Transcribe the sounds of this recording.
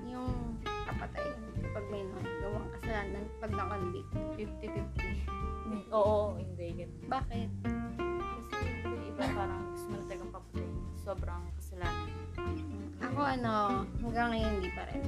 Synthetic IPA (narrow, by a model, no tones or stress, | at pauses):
jʊŋkɐpɐt̪a̰jnpɐɡ̚mɐjnoŋɡɐwaʔɐŋkɐsɐlaːnnːɐŋpɐɡ̚nɐkond̪ḭfɪft̪ɪfɪft̪i | ʔoːʔoʊnd̪ɛɡɐnbaːkɪt̪̚ | ɐsb̪ɐlʔɪbapaːɾɐŋɡʊst̪okɐnɐt̪ɐlɐɡɐmpɐpɐt̪ɐjʊso̞bɾɐŋkɐsɐlaːnɐn | ʔɐko̞ʔɐno̞hɐŋɡaŋːɐjond̪ipɐ̰ɾɛ̰